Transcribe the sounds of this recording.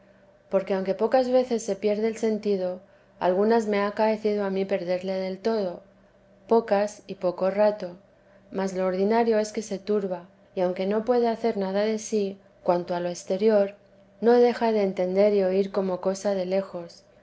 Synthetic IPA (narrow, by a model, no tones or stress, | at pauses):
po̞ɾke̞awŋke̞po̞kazβe̞θe̞sːe̞pje̞ɾðeːlse̞nt̪iðo̞ | a̰lɣ̞unazme̞akae̞θið̞o̞amipe̞ɾðe̞ɾle̞ðe̞lt̪o̞ð̞o̞ | po̞kasipo̞ko̞rat̪o̞ | mazlo̞ːɾðinaɾjo̞e̞ske̞se̞t̪uɾβa | iawŋke̞no̞pwe̞ðeaθe̞ɾnað̞aðe̞si | kwant̪oalo̞est̪e̞ɾjo̞ɾ | no̞ðe̞xaðe̞ːnt̪e̞nd̪e̞ɾio̞iɾko̞mo̞ko̞sað̞e̞le̞xo̞s